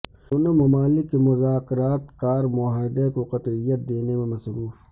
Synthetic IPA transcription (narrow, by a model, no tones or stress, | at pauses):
ʊnomɐmaːlɪkːemʊzaːkɪɾaːt̪kaːɾmʊaːd̪ekoqɐt̪ɪjət̪̚d̪eːnemẽmɐsɾuːf